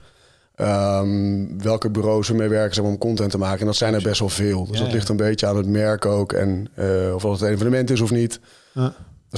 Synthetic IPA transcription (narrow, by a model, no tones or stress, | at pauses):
ʔəmʋɛlˠkəbyrowsəmejʋɛɹkəzɛmaːɹɔmkɔntɛntəmaːkəɛndɑtsɛjnɛɹbɛstʋɛlˠvɪːlˠdøsdɔtlɪχtənmbejtəaːnɦətmɛɹkəowkɛ̰nɔfɑttenvənəmɛntɪs̬ɔfnit